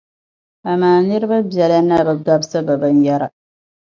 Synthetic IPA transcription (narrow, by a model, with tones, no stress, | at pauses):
a˨maː˨nɪ˦ɾɪ˦ba˦bɛ˨la˦na˦˨ba˨ɡa˦bsa˦ba˨ba˦nja˦ɾa˨